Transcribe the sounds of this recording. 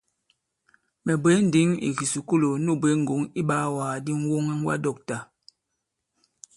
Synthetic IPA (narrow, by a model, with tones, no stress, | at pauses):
mɛ˨be˨˦n˦di˦ŋḭ˨ɣi˨su˨ku˦lo˨nu˦˨be˨˦ŋ̩˨ɡo˨˦ŋi˦ɓa˦waː˨di˦ŋ˦wo˦ŋɛ˦ŋ˦ɡwa̰˦dɔ˦˨k̚ta˨